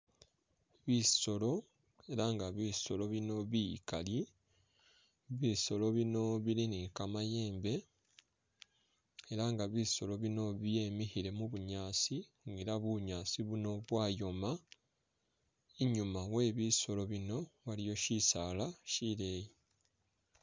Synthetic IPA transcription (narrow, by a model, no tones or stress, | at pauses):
βiso̞lo̞ | e̞ɾaŋɡaβiso̞lo̞βino̞βikali | βiso̞lo̞βino̞βilinikamaje̞ːmbe̞ | eɾaŋɡaβiso̞lo̞βino̞βje̞ːmihiɾe̞muβuɲaːsiŋɡeɾaβuɲaːsiβuno̞βwaːjo̞ma | iɲumawe̞ːβiso̞lo̞βino̞βalijo̞ʃisalaʃiɾe̞ji